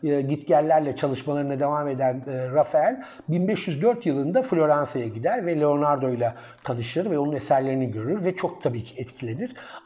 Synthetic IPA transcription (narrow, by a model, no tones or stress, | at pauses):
ɯːɟit̪cællʲːæɾlʲɛt͡ʃʰalˠɯʃmalˠaɾɯnad̪e̞vaːme̞d̪ænːɾafælʲ | binbɛʃjyzd̪ø̞ɾt̪jɯlˠɯnd̪aflʲo̞ɾansajaɟid̪æɾvɛlʲeo̞naɾd̪o̞jlˠa | t̪ʰanɯʃlˠɯɾvɛo̞nunesæɾlʲe̞ɾiniɟø̞ɾyɾvɛt͡ʃʰo̞k̚t̪ʰabiːcʰiɛt̪cʰilʲe̞niɾ̥